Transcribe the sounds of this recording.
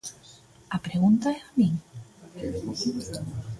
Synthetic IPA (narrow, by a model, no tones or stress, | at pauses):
apɾeɣunt̪aeamiŋ